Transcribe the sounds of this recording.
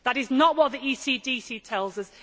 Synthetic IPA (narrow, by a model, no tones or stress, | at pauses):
ðəɾɪznəʔwɒʔ̪̚ðiiːsiːdiːsitʰɛlˠzəz